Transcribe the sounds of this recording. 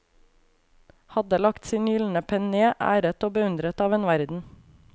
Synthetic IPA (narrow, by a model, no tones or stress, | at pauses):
hɑd̪əlɑkt̪siːnjʏln̩əpʰɛneːʔæ̰ːɾət̪oːbəʉnd̪ɾət̪ɑːʋeːnʋæɾd̪n̩